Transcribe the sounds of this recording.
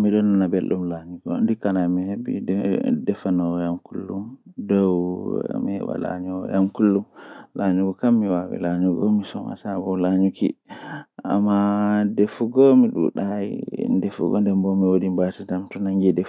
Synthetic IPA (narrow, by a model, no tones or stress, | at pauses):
miɗɔnːanabelɗumlaɲuɡɔ̰ndikanamihebḭdɛfanɔwjamkulːumdɔwmihɛ̰ɓa̰la̰ɲɔw̰jamkulːumlaɲuɡɔkamːiwawḭlaɲuɡɔmisɔma̰sabɔwlaɲukḭʔa̰mːadefuɡɔmiɗṵɗajḭndɛfṵɡɔ̰ndɛmbɔmiwodimbatintamtɔnaŋɡidɛf